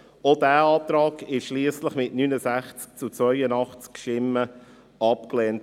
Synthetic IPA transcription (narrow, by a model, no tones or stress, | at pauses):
odæːɑːt̪ɾɑːɡɪʃʃliəsləχmɪtnynəzæχt͡sk̚t͡sut͡svœʏənɑχt͡skʃɪmːə | ɑp̚klɛːnt